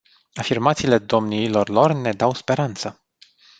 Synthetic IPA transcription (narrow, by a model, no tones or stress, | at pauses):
afirmat̪siːle̞d̪o̞mniilo̞rlo̞rne̞d̪awspe̞ɾant̪sə